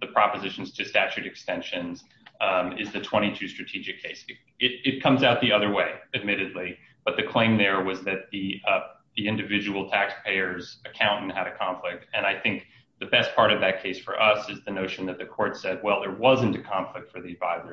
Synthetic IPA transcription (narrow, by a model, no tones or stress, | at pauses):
ðɨpʰɹ̥ɑpɨzɪʃn̩z̥tʰɨstæt͡ʃʉɾɨkstɛ̃nʃɨ̃nz | ɪzðɨtʰw̥ɛ̃ɾ̃itʰʉstɹ̥ɨtʰid͡ʒɨkʰeɪs | ɪɾɨt̚kʰʌ̃mzaʊt̪̚ðiʌðə˞weɪɨd̚mɪɾɨdˡli | b̥ʌt̪̚ðɨkʰl̥ẽɪ̃mðə˞wʌzðɨt̪̚ði | ðiɪ̃ndɨvɪd͡ʒɨwl̩ˠtʰækspʰeɪə˞zɨkʰãʊ̃ntn̩ɨɾɨkʰɑ̃ɱflɪk̚tɨ̃ñaɪθɪ̃ŋk̚ | ðɨbɛs̚pʰɑɹɾʌvðɨt̚kʰeɪsfə̰˞ʔʌsɨzðɨnoʊʃn̩ðɨt̪̚ðɨkʰɔɹtsɛd̚wɛlˠðə˞wʌzɨ̃ntɨkʰɑ̃ɱflɨk̚tfə˞ðiɨvaɪzə˞